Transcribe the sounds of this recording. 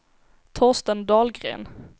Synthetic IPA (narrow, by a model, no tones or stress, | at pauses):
t̪ʰɔʁst̪ənd̪ɑːlɡɾḛːn